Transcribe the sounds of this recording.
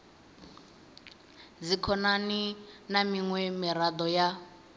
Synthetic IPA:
d͡zikʰɔnaninamiŋwɛmiɾad̪ɔja

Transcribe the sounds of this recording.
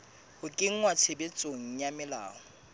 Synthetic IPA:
hʊkʼɪŋ̩ŋwat͡sʰebet͡sʼoŋ̩jamɪla̰ːɔ

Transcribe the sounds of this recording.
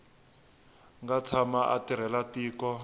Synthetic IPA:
ŋɡat͡sʰamaʔa̰tiɾ̤ɛlatiːkɔ

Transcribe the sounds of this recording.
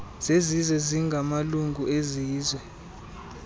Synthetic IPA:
z̥ezizwɛziŋɡʱamaluŋɡʱueziːzwɛ

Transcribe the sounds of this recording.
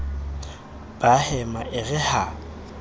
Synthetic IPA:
b̥ahɛmaʔɪɣɪha

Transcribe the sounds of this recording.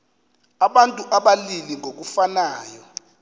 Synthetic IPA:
aɓantʼuʔaɓaliliŋok̬ufanaːjɔ

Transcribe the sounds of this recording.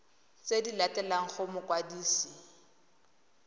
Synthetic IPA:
t͡sedilatʼɛlaŋ̩χʊmʊkwadiːsi

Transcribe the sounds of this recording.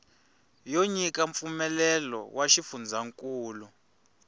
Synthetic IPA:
joɲik̬ʼaɱp̪fumɛlɛlɔ̰waʃifund͡zʱaŋkʼuːlu

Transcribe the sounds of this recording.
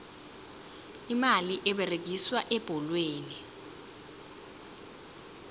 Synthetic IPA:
imaliʔɛɓɛreɡ̬ʱiswaʔɛb̥ʱɔlweːni

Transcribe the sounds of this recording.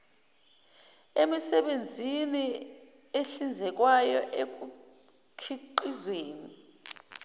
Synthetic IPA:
emisɛɓend͡zʱini | eɬind͡zʱɛk̬wajɔʔek̬u | kʰiǃizweːni

